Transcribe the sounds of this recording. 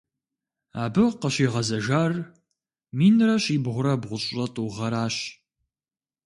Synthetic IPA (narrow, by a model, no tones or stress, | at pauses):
aːbɨqəɕiːʁɐzɐʒaːr | miːnrɐɕiːbʁʷʊɾɐbʁʷʊɕʼɕʼɐtʼuːʁɐɾaːɕ